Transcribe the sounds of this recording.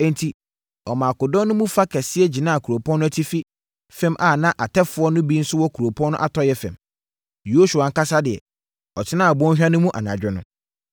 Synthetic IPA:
ɛ̃˨ntʰi˨ | ɔ˨mãː˨a˨kʊ˨dɔ̃˦nʊ̃˦mũ˦fa˦kʰɛ˨sɪ˦ɛ˦d͡ʑi˨nãː˦˨kʰu˨ɾo˨pʰɔ̃˦nːʊ̃˦æ˦tʰi˦fi˦ | fɛ̃˦mʔa˨nã˦ʔa˨tʰɛ˦fʊ˨˦ɔ˦nʊ̃˦bi˦n̩˦sʊ˦wɔ˦kʰu˨ɾo˨pʰɔ̃˦nʊ̃˦ʔa˦tʰɔ˦jɛ˦fɛ̰̃˨m | jo˦su˨a˨ŋ̩˦ka˦sa˦dɪ˨ɛ̰˨ | ɔ˨tʰɪ˦nãː˦˨a˨bɔ̃˦n˦ɕᶣã˦nʊ̃˦mũ˦ʔa̰˨nã̰˨d͡ʑᶣɛ˦nʊ̃˦

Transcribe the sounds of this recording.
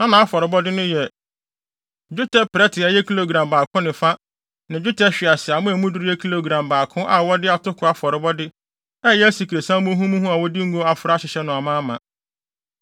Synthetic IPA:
nã˦nã˨a˦fɔ˨ɾɪ˨bɔ˦dɪ˦nʊ̃˦jɛ˨ | d͡ʑᶣʊ˦tʰɛ˦pɾɛ˦tʰɪ˨a˨jɛ˦kʰi˦lo˨ɡɾã˨mbaː˨kʰʊ̃˦nɪ̃˨fa˦ | nã˨d͡ʑᶣʊ˦tʰɛ˦ɕᶣɪ˨a˨sɪ˨a˨mʊ̃˦æ˨mũ˦dʊ˦ɾi˦ɛ˦kʰi˦lo˨ɡɾã˨mbaː˨kʰʊ̃˦ʔa˦˨wɔ˦dɪ˦a˨tʰʊ˦kʰʊ˨a˨fɔ˨ɾɪ˨bɔ˦dɪ˦ | ɛ˦jɛ˦æ˦si˨kʰɾe˨sã˦mʊ̃˦ɦũ˦mũ˦ɦũ˦a˨wɔ˦di˦ŋ̩˦ɡo˦a˨fʊ˨ɾa˦ɕɪ˨ɕɛ˦nʊ̃˨a˨mã˦mã˨

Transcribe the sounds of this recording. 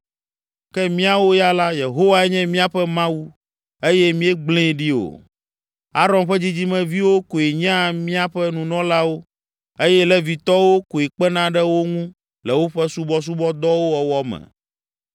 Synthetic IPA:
kɛ˦mĩ˦a˦wo˦ja˦la˦je˨ɦo˦wa˦ɛ˦ɲɛ̃˦mĩ˦a˦ɸɛ˦mã˦wu˦ | e˦jɛ˦mĩ˦ɛ˦ɡ͡blẽ˦˨ɖi˦o̰˨ | a˦ɾɔ˨nɸɛ˦d͡ʑi˦d͡ʑi˦mɛ̃˨vi˦wo˦ko˨e˨ɲã˦mĩ˦a˦ɸɛ˦nũ˨nɔ̃˦la˦wo˦ | e˦jɛ˦lɛ˦vi˨t̪ɔ˦wo˦ko˨e˨k͡pɛ˦nã˦ɖɛ˦wo˦ŋũ˦ | lɛ˨wo˦ɸɛ˦su˦bɔ˦s̬u˦bɔ˦d̪ɔ˦wo˦wɔ˨wɔ˦mɛ̰̃˨

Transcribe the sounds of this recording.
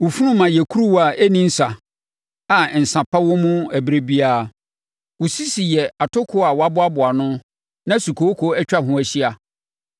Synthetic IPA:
wʊ˨fu˦ɾʊ̃˦mã˨jɛ˨kʰu˦ɾu˦wa˨ʔæ˦nĩ˦n̩˦sa˨ | a˨n̩˨sã˨pʰa˦wʊ̃˦mʊ̃˦æ˨bɾe˦bi˦aː˦˨ | wʊ˨si˦si˨jɛ˨a˨tʰʊ˦kʰʊ˦a˨wɔ˨˦a˦bʊ˦a˦bʊ˨a˨nʊ̃˦ | nã˦su˨kʰo˨˦kʰo˦ɛ˦t͡ɕᶣa˦ɦʊ̃˦æ˨ɕi˦a˨

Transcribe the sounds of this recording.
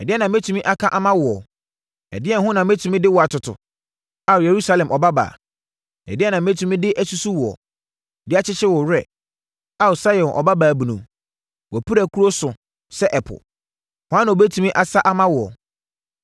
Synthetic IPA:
ɛ˨dɪ˦ɛ˦nã˨m˦ɛ˦tʰũ˨mĩ˦ʔa˦kʰã˦ʔa˦mã˦wʊ˨ɔ˨ | ɛ̰˨dɪ˦ɛ˦˨ɦʊ̃˦nã˨m˦e˦tʰũ˨mĩ˦dɪ˦wɔ˨a˨tʰʊ˨tʰʊ̰˨ | a˨je˨ɾu˦sa˦lɛ̃˨mʔɔ˨ba˦ba̰ː˨ | ɛ̰˨dɪ˦ɛ˦nã˨m˦e˦tʰũ˨˦mĩ˦dɪ˦ʔæ˦su˦su˦wɔ̰˨ | dɪ˦a˦t͡ɕʰɪ˦t͡ɕɪ˦wɔ˨ɾɛ˨ | a˦˨sa˦jɔ̃˨nʔɔ̰˨ba˦baː˨bũ˨nṵ̃˨m | wɔ˨pʰu˦ɾæ˨kʰu˦ɾo˦sʊ˨ | sɛ˦ʔɛ˨pʰʊ̰˨ | hʊ˨ã˦n˨o˨be˦tʰũ˨mĩ˦ʔa˨sa˦ʔa˦mã˦wʊ˨ɔ̰˨

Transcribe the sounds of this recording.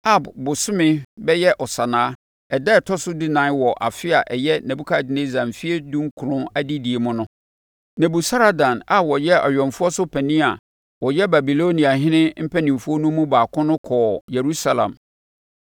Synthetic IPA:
a˦bbʊ˨sʊ˦mɪ̃˦bɛ˦jɛ˦ʔɔ˨sa˨nãː˨˦ | ɛ˨dɛ˦˨tʰɔ˦sʊ˦di˦nã˨˦wɔ˨ʔa̰˨fɪ˦a˨ʔɛ˨jɛ˦nɛ̃˨bu˦kʰa˦˨dɪ˨˦nẽ˦zã˨m˨fi˦e˦dũ˦ŋ̩˦kʰu˨ɾʊ̃˦a˦di˦di˨e˨mʊ̃˦nʊ̃˦ | nɛ̃˨bu˨sa˦ɾa˨dã˨na˨wɔ˨jɛ˦ʔɔ̰˨ɥᶣɔ̃˨nfʊ˦ɔ˦sʊ˦pʰɛ˨nĩ˦a˨ | wɔ˨jɛ˦ba˨bi˨lo˦nĩ˨a˨ɦɪ̃˦nɪ̃˦m̩˦pʰɛ˦nĩ˨m˨fʊ˦ɔ˦nũ˦mũ˦baː˨kʰʊ̃˦nʊ̃˦kʰɔː˨je˨ɾu˦sa˦lã̰˨m

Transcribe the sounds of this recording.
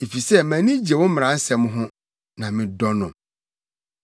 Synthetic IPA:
e˨fi˨sɛ˦˨mæ̃˨nĩ˦d͡ʑi˨e˨wʊ̃˦mm̃˨ɾã˨˦n̩˦sɛ˨m̃˦ɦʊ̃˦ | nã˨mɪ̃˨dɔ˦nʊ̃˨

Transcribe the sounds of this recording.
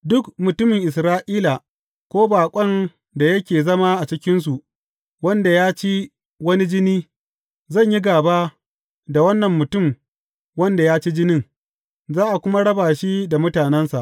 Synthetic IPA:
dʊ˦kmʊ˨tʊ˦mɪ˨ŋʔɪ˨sɾaː˦ʔiː˦la˨ | kʷoː˦baː˨kʷʼɐ˦n | da˨jɐ˦kʲeː˨zɐ˦ma˦ʔa˨t͡ʃɪ˦kʲɪ˦ns̬u˨ʔ | wɐ˦nda˨jaː˦t͡ʃi˦ | wɐ˦ni˦d͡ʒɪ˦niː˦ | zɐ˦˨ɲji˦ɡaː˨ba˦ | da˨wɐ˦nːɐ˨mːʊ˨tʊ˦˨m | wɐ˦nda˨jaː˦t͡ʃi˦d͡ʒɪ˦nɪ˦ŋ | zaː˦ʔa˨kʷʊ˦ma˦ɽɐ˦baː˨ʃi˦da˨mʊ˦taː˨nɛ˦nsa˨ʔ

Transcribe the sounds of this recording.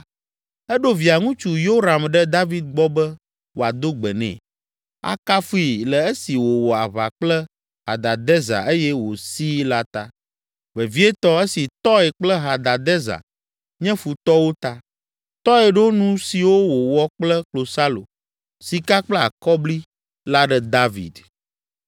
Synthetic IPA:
ɛ˦ɖo˦vi˨a˨ŋũ˦t͡ʃu˨jo˦ɾa˨mɖɛ˦d̪a˦vi˦d̪̚ɡ͡bɔ˦bɛ˦ | wʔo˨a˨d̪o˦ɡ͡bɛ˨nɛ̰̃˨ | a̰˨ka˦fu˦i˨lɛ˨e˦si˨wo˨wɔ˨a̰˨βa̰˨k͡plɛ˦ | ɦa̰˨d̪a˨d̪ɛ˦za̰˨ʔe˦jɛ˦wo˨si˦la˦t̪a˦ | vɛ˨vi˦ɛ˦t̪ɔ˦e˦si˨t̪ɔ˦ɛ˨k͡plɛ˦ɦa˨d̪a˨d̪ɛ˦za̰˨ | ɲɛ̃˦fu˨t̪ɔ˦wo˦t̪a˦ | t̪ɔ˦ɛ˨ɖɛ˦wo˦nũ˦si˨wo˦wo˨wɔ˦k͡plɛ˦klo˨sa˦lo̰˨ | si˨ka˦k͡plɛ˦a˨kɔ˦bli˦ | la˦ɖɛ˦d̪a˦vḭ˨d̪

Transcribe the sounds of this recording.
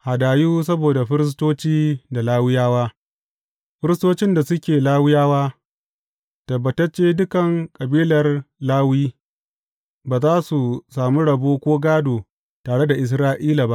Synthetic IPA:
ha˨daː˨juː˦s̬ɐ˦boː˨da˨ɸɪ˦ɾɪ˦s̬toː˦t͡ʃiː˦da˨laː˦wɪ˦jaː˦waː˦ | ɸɪ˦ɾɪ˦stoː˦t͡ʃɪ˦nda˨sʊ˦kʲeː˨laː˦wɪ˦jaː˦waː˦ | tɐ˨bːɐ˨tɐ˦t͡ʃeː˦dʊ˦kɐ˨ŋkʼɐ˨biː˦lɐ˨rlaː˦wiː˦ | baː˨zaː˦su˨saː˨mu˦ɽɐ˨boː˦kʷoː˦ɡaː˦doː˨ | taː˨ɽe˦da˨ʔɪ˨s̬ɾaː˦ʔiː˦la˨ba˦ʔ

